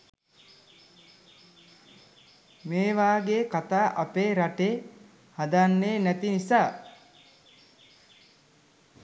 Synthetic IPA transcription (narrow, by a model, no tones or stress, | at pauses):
meːʋaːɡeːkat̪aːʔapeːɾaʈeː | had̪anːeːnæt̪inisaː